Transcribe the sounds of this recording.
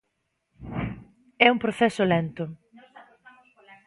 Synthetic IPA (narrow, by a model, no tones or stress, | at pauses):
ɛumpɾoθɛsʊlent̪ʊ